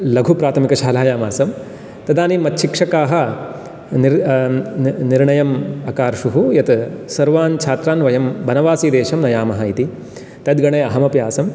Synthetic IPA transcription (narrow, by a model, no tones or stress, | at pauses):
lɐɡʱupɾaːt̪ʰɐmikɐʃaːlaːjaːmaːsɐm | t̪ɐd̪aːnimɐt̪ʃikʂɐkaːɦɐ̆ | niɾ | niɾɳɐjɐmɐkaːɾʃuɦujɐt̪sɐɾʋaːnt͡ʃʰaːt̪ɾaːnʋɐjɐmbʱɐnɐʋaːsiːd̪eːʃɐmnɐjaːmɐɦɐit̪i | t̪ɐd̪ɡɐɳɐjɐɦɐmɐpjaːsɐm